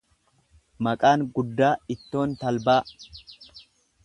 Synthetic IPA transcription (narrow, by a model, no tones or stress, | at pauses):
mɐkʼaːŋɡʊd̪ːaːɪt̪ːo̞ːnt̪ɐlbaː